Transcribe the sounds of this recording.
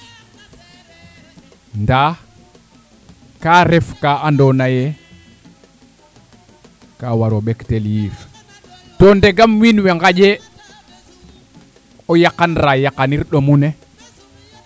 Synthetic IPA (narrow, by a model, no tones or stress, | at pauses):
nda | kaɾɛfkaandɔnajɛ | kawaɾɔɓɛktɛljiːɾ | tɔndɛɡamwinwɛŋɡad͡ʒɛ | ɔjakːanɾajakaniɾɗɔmunɛ